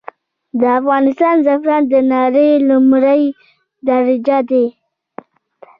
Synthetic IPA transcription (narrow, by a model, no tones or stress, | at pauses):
d̪əafɣɑnɪst̪ɑnzafɾɑnd̪ənɑɾelʊmɾəj | d̪aɾɪd͡ʒad̪e